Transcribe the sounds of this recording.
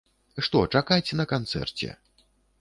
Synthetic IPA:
ʂt̪ɔt͡ʂakajt͡sʲɛnɐkant̪sɛ̰rt͡sʲɛ̰

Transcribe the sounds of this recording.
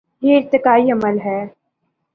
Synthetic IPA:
jeɪɾt̪ɪkaːiɐməlɦɛː

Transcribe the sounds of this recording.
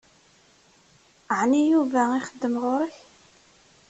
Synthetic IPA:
əʕnijuvæɪχəd̪ːəmʁʊɾəç

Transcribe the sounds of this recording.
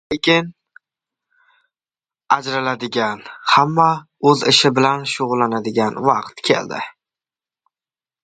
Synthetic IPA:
lekʲɪn | ad͡ʒɾalad̪ɪɡʲanhamːa | ɵzɪʃɪbɪlanʃʊʁʊlˠːanad̪ɪɡʲanvɑqt̪kʲʰe̞̰ld̪ɪ̰

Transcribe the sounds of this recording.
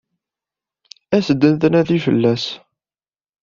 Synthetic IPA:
æsəd̪ːənθənæðifəlːæs

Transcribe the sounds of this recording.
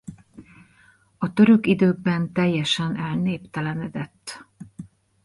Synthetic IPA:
ɒt̪ø̞ɾø̞kid̪øːɡ̚bɛnt̪ɛjːɛʃɛnɛlneːpt̪ɛlɛnɛd̪ɛt̪ː

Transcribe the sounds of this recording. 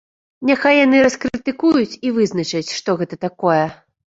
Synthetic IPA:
nʲaxajːanɨɾɐskɾɨt̪ɨkujut͡sʲivɨznɐt͡ʂɐt͡sʲʂt̪ɔɣɛt̪ɐt̪akɔjɛ

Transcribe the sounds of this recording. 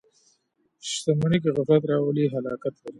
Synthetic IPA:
ʃt̪əməɳik̬eɣʊfɾat̪̬ɾɑwəliɦalɑːkat̪laɾi

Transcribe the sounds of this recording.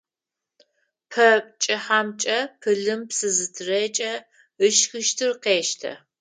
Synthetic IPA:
pʰɐt͡ʃʼɐħamt͡ʃʼɐpʰɨɮɨmpsɨzɨtʰɨreːt͡ʃʼɐ | ɨʃxɨʃtʰɨrqeːʃtʰɐ̰

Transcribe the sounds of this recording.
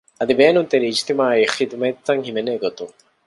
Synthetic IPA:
ɐd̪ibeːnunt̪eɾiːd͡ʒt̪imaːixid̪mɐt̪ːɐŋɦimeneːɡot̪uŋ

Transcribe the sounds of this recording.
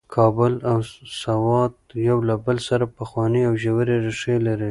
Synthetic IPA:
kʰɑbʊlawsawɑd̪̚jawlabəlsaɾapaxwɑniawʒawəɾeɾɪʂelaɾi

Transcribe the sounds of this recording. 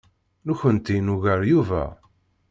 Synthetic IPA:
nuçənt̪inuʝəɾjuvæ̰

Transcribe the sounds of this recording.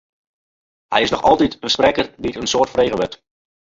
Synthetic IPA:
hɛ̰jɪsnɔxɔ̰lˠtitəsprɛkərditənsoːrtfreːɣəʋɛt

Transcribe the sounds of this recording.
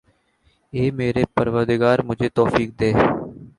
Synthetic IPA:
eːmeːɾeːpəɾʋəɾd̪ɪɡaːɾmʊd͡ʒʱeːt̪ɔːfiːk̚d̪eː

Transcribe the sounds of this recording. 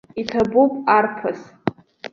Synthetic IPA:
itʰabupʼarpʰas

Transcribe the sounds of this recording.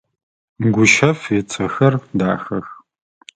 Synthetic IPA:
mɡʷʊʃɐfeɛt͡sʰʼɐxɐrda̰ːxɐx

